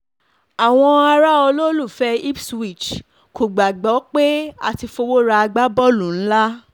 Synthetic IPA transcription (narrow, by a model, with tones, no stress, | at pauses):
a˨w̃ɔ̃˧a˧ɾa˦ɔ˧lo˦lu˦˨fɛ˦i˦bswi˦˨t͡ʃ | ko˨ɡ͡ba˨ɡ͡bɔ˨˦k͡pe˦a̰˦˨ti˧fo˧wo˦ɾa˧a˧ɡ͡ba˦bɔ˦lũ˨n̩˦la˦